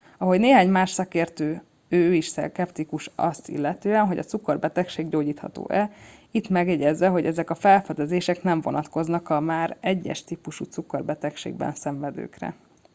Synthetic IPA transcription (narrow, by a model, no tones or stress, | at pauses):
ɒɦo̞ɟneːɦaːɲmaːʃsɒkeːrt̪øː | øːiʃsɛ̰kɛpt̪ikuʃɒ̰st̪ḭlːɛt̪øːɛnɦo̞ɟɒ̰t̪sukorbɛt̪ɛkʃeːɡɟoːɟiːt̪hɒ̰t̪o̰ːʔɛit̪mɛɡjɛɟɛzʋɛɦo̞ɟɛzɛkɒfɛlfɛd̪ɛzeːʃɛknɛɱvo̞̰nɒt̪ko̞znɒkɒmaːɾɛɟːɛ̰ʃt̪iːpuʃut̪sukorbɛt̪ɛkʃḛːɡbɛ̰nsɛɱvɛd̪ø̰ːkrɛ̰